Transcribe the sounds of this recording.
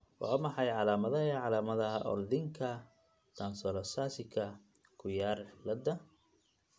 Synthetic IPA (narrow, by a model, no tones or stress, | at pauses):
w̰ʕɔmɐħɑjʕɑlaːmɐðɐɦɐʕɑlaːmɐðɐɦʔɔ̰ld̪ɪŋkʰɐ | t̪ʰansɔlɐsasɪkʰɐ | kʰʊjaːrɪlɐd̪ɐ